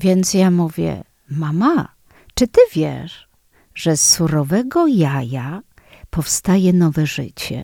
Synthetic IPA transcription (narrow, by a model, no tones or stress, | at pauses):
vʲjɛnt̪sjamuvʲjɛ̰ | mama | t͡ʂɘt̪ɘvʲjɛ̰ʂ | ʐ̥ɛsːuɾɔvɛɡɔjaja | pɔfst̪ajɛnɔvɛʐɘt͡ɕɛ̰